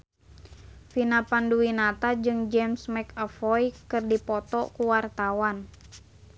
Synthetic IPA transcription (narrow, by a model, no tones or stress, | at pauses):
finapanduwinat̪ad͡ʒɨŋd͡ʒɛmsmɛkəfɔjkɨrdipɔt̪ɔkuwart̪awan